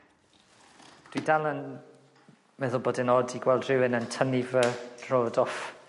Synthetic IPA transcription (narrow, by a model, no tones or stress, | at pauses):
d̥widalən | mɛðʊlˠboːdɪnoːdiɡwɛlˠdrɪwɪnəntʰənivə̥roːdɔf